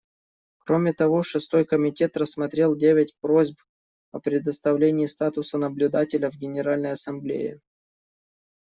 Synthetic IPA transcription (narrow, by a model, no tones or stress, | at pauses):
kɾo̞mʲɪt̪ɐvo̞ʂɨst̪o̞jkəmʲɪtʲe̞t̪rəsmɐt̪ɾʲe̞lˠdʲevʲɪtʲpɾo̞zʲp | ə̰pɾʲɪd̪əst̪ɐvlʲenʲɪɪst̪at̪ʊsənəblʲʊd̪atʲɪlʲəvɡʲɪnʲɪɾalʲnəjɐsɐmblʲḛjɪ̰